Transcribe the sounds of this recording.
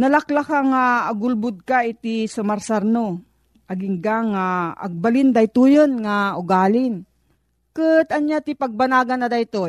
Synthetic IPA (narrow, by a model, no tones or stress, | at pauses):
nɐlaklakaŋaːɡʊlbʊd̪̚kaɪt̪isɐmaɾsaɾno | ʔɐɡɪŋɡaŋːa̰ːɡ̚balɪnd̪ajt̪ujonŋaʊɡaːlɪn | kɨt̪ɐnjat̪ɪpɐɡ̚banaːɡanːɐd̪ajt̪o